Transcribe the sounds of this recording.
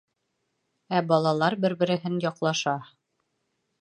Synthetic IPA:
æbɒlˠɑlˠɑɾbɘɾbɘ̆ɾɘ̆ɦɘnjɒqlˠɑʃɑ

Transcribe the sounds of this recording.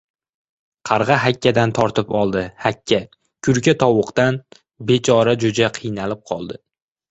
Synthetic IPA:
qʰɑɾʁɑɦakʲʰːad̪ant̪ʰɒɾt̪ʰɪpɒlˠd̪ɪhakʲʰːa | kʰʊɾkʲat̪ʰɒwʊqt̪an | be̞t͡ʃʰɒɾad͡ʒʊd͡ʒaqʰɨjnalɪp̚qʰɒlˠd̪ɪ

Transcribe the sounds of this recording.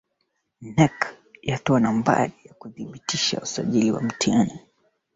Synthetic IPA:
nɛk | jatɔanamba̰lijakuðiɓitiʃa̰usaʄiliwa̰m̩tiani

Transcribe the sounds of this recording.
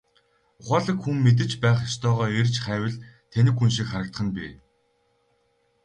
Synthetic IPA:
ʊχaːɮə̆kxumːet̪̬ɘ̆t͡ɕpæːχast̪œːʁœːert͡ɕχæːwɘ̆ɮt̪ʰenɘ̆kxunʃikχaɾə̆kt̪χə̆npiː

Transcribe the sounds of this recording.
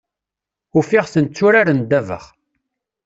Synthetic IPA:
ʊfiʁθənt͡sːʊɾaɾənd̪ævə̰χ

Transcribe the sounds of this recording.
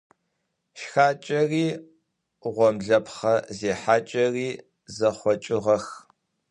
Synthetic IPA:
ʃxaːt͡ʃʼɐriː | ʁʷɔmɮɐpχɐzeːħaːt͡ʃʼɐriː | zɐχʷɔt͡ʃʼɪʁɐx

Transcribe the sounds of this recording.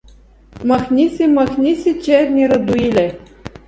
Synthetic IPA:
mɑxnʲisʲimɑxnʲisʲit͡ɕerʲnʲiɾɤ̆d̪uilʲe

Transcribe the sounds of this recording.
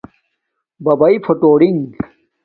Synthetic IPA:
bɐbɐifʰoʈoːɽiŋ

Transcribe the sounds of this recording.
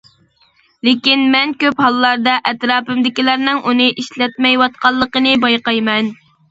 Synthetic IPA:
lɪkʲinmɛnkʲøphɑlˠːɑɾd̪ɑʔɛt̪ɾɑːpɨmd̪ɪkʲilæɾnɨŋʔunɨʔiʃlɛt̪̚mɛjwɑt̪̚qɑlˠːəqənɨbɑjqɑjmɛn

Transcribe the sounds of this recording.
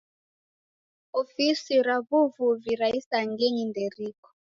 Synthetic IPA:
ofisiɾaβuvuviɾaisaŋɡeɲindeɾiːkɔ̥

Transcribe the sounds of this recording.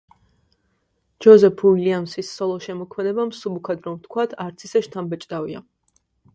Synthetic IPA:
d͡ʒɔzɛpʰuiliamsisːɔlˠɔʃɛmɔkʰmɛd̪ɛbamsubukʰad̪ɾɔmt̪ʰkʰwat̪ʰaɾt̪sʰisɛʃt̪ʰambɛt͡ʃʼd̪avia̰

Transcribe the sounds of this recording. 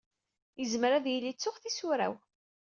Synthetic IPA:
jəzmɾæðjəlːit͡sːʊχθisuɾæ̰w

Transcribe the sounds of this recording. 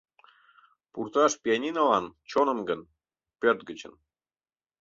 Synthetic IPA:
purt̪ɑʃpʲiɑnʲinɑlɑnt͡ɕonə̆mɡən | pʲørt̪̚ɡət͡ɕə̰̆n

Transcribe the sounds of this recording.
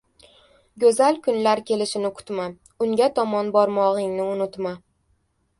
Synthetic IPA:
ɡʲɵzalkʰʊnlaɾkʲʰe̞lɪʃɪnɪkʰʊ̥t̪ma | ʊŋɡʲat̪ʰɒmɒnbɒɾmɒʁɪŋnɪʊnʊt̪ma

